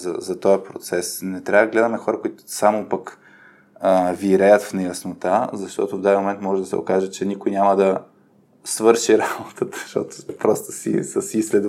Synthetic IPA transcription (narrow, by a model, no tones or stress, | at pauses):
zɐ̰zɐt̪ɔjɐpɾot̪sɛsnɛt̪ɾʲavəd̪əɡlɛd̪ɐmɛɐxɔɾɐkʊit̪ʊ̥samopɐk | əviɾɛjət̪fnɛjɐsnot̪azɐʃt̪ɔ̰t̪ʊvd̪azʲimomɛnt̪mɔʒɛd̪ɐsɛ̰o̰kaʒɛt͡ʃɛnikojnʲamɐd̪ɐ | svɤɾʃiɾabot̪ʰət̪ə̥ʃt̪ɔ̰t̪o̥pɾɔst̪o̥sḭsəsislɛd̪